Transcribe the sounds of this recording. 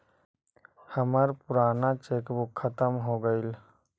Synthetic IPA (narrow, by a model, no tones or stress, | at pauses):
həməɾpuɾanat͡ʃekbukʰːət̪əmɦoɡəɪl